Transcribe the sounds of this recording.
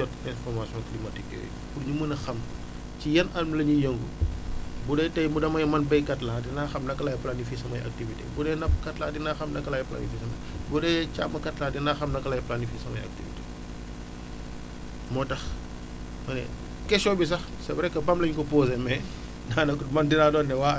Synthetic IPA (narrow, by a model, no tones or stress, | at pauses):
ɔtɛnfɔrmasiɔ̃nklimɐtikːɛ̰ːj̰ | kuɾɲumunɐxɐm | cijɐnɐlmlɐɲujəŋɡṵ | budɛtɐjmudɐmɐjmɐnbɛjkɐtlaːdinaxɐmnɐkːɐlaːjplanifisɐmɐja̰k̚tivitḛbudɛnɐpkɐtlaːdinaxɐmnɐkːɐlajpla̰nifisɐmɐ | budɛca̰mːɐkɐtlaːdinaːxɐmnɐkɐlaːjplanifisɐmɐjɐ̰k̚tivḭte̥ | mɔtɐx | mɐnɛ̰ | kɛʃɔbis̬ɐx | sɐbɾɛkːɐbɐmlɐɲkɔpoːzemɛ | naːnɐkumɐndiɾaːdɔːnːɛwa